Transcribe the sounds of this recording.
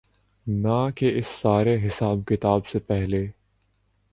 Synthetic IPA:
nakeɪsːaːɾeɦɪsaːbkɪt̪aːbsepɛɦleː

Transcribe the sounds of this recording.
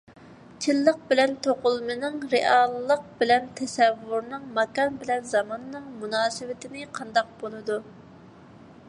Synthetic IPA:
t͡ʃʰɪlːəq̚bɪlɛnt̪ʰoqʊlˠmɨnɨŋɾeʔɑlˠːəq̚bɪlɛnt̪ʰɛsɛvːuɾnɨŋmɑkɑnbɪlɛnzɑmɑnːɨŋmunɑːsɨwɪt̪ʰɪnɪqʰɑnd̪ɑq̚bolˠɨd̪u

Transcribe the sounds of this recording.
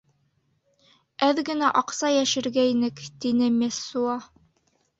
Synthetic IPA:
æðɡɘ̆næʔɑqsɑjæʃɘ̆ɾɡæinɘkt̪inɘmʲæsːuɑ

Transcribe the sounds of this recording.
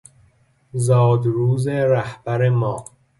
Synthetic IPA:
zɒːd̪ɾuːzeɾæhbæɾemɒː

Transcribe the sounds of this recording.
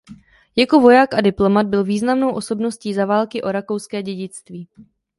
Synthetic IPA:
jako̞vo̞jaːkʔadɪplo̞mad̪̚bɪlviːznamno̞wʔo̞so̞bno̞sciːzavaːlkɪʔo̞ɾako̞wskɛːɟɛɟɪt͡st̪viː

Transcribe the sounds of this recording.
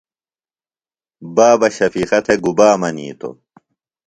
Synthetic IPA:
baːbɐɕɐfiːxɐt̪ʰeɡubaːmɐnḭːt̪o̰

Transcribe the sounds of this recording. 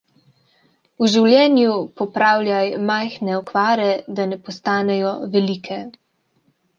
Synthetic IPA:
uʒiwlʲjɛːnjupɔpɾaːwlʲjajmajxnɛɔkʋaːɾɛd̪anɛpɔst̪aːnɛjɔʋɛliːkʰɛ

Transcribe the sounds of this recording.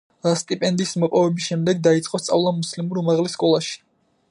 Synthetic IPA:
ɾast̪ʼipʼɛnd̪ismɔpʼɔvɛbisʃɛmd̪ɛɡ̚d̪ait̪sʼqʼɔst̪sʼa̰vlˠamuslimuɾumaʁlɛskʼɔlˠaʃi̥

